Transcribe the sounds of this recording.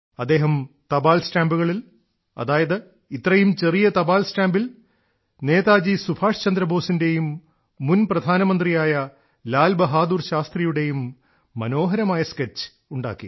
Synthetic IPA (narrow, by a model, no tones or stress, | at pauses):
ɐd̪ːe̞ːɦɐmt̪ɐbaːlsʈaːmbuɣɐɭil | ɐ̰ðaːjɐðɨ | it̪rɐjumt͡ɕerijɐt̪ɐbaːlsʈaːmbil | neːðaːd͡ʑisubʱaːʂt͡ɕɐnd̪ɾɐbʱo̞ːsinde̞jumː | unprɐd̪ʱaːnɐmɐnd̪rijaːjɐ | laːlbɐɦaːd̪uːrɕaːst̪rijuɽe̞jumː | ɐno̞ːɦɐɾɐmaːjɐsket͡ɕːɨ̥ | uɳɖa̰ːkːḭ